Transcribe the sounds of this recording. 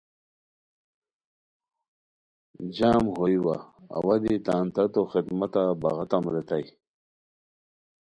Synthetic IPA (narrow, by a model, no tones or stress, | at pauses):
d͡ʑaːmɦojwa̰ːwad̪it̪aːnt̪ɐt̪oxid̪mat̪abaɣat̪amɾet̪aj